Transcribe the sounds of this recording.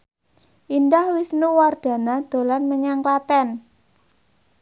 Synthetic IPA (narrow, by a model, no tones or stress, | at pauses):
ʔindahwisnuward̪̥ä̤nad̪̥o̤lanməɲaŋlat̪ɛn